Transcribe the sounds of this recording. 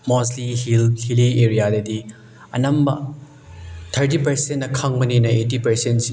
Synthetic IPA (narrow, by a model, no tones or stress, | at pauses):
moslihilhilieɾijadɐdi | ɐ̰nɐmbɐ | tʰɐɾt̬ipɐɾsentnɐkʰɐŋmɐninɐetipɐɾsens